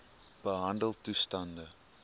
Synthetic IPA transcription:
b̥əɦɐndəlˠtustɐndə

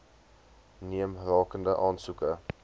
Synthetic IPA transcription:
niəmrɑːkəndəʔɑːnsukə

